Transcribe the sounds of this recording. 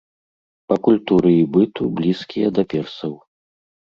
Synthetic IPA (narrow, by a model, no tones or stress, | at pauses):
pɐkulʲt̪uɾɨibɨt̪ublʲiskʲijɐd̪ɐpʲɛrsɐw